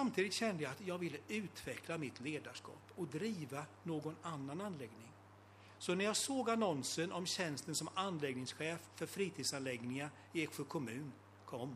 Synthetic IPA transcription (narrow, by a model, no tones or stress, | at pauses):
samt̪ʰiːd̪ɪt̪ɕɛnd̪əjaat̪jɑːɡvɪlːəʉ̟ːt̪vɛkʰlamɪt̪ʰleːd̪aʂkɑ̰ːpɔd̪ɾiːvanoːɡɔnanːananlɛɡnɪŋ | sɔnæɾjɑɡsoːɡanɔnsənɔmɕɛnst̪ənsɔmanːlɛɡnɪŋsɧɛːffœɾfɾiːt̪ʰiːd̪sanlɛɡnɪŋa | ɪɛkɧəkʰɔmʉ̟ːn | kʰɔmː